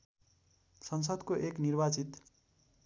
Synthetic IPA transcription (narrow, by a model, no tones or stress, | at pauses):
sʌns̬ʌd̪koʔeknirbat͡sit̪